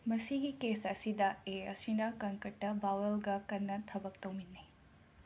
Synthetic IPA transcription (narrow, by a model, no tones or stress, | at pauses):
mɐsiɡikesɐsidɐeɐsinɐkɐŋkɐʈːɐbawɐlɡɐkɐnːɐtʰɐbɐk̚tɐwminːi